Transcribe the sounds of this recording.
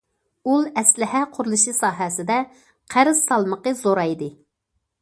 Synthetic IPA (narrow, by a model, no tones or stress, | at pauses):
ulˠɛslɪɦɛqʰʊɾlˠɨʃɨsɑːɦɛsɪd̪ɛ | qʰæɾɨz̥sɑlˠməqəzoɾɑjd̪ɨ